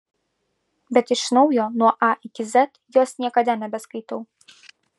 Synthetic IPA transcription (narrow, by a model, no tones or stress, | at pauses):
bʲɛt̪iʂnɔwjɔnuʔaikʲizɛt̪jɔsʲtʲt͡sʲnʲɛkad̪ʲanɐbʲɛskit̪ɔw